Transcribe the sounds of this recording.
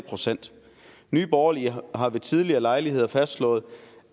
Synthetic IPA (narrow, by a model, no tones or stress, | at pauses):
pʰʁo̝sen̰d̥ | nyːb̥ɒːɐliɦɑ̈ʋe̝t͡sʰið̞ˠliɐːlɑ̈ɪliɦe̝ð̞̰ˠɐfæsd̥slɔ̰̽ːð̩ˠ